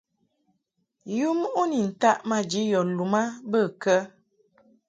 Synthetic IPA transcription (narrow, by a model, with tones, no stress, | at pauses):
ju˦m˦ʔu˦ni˨n̩˨ta˦ʔma˦d͡ʒi˨˦jɔ˨lu˨ma˦bə˦˨kə˦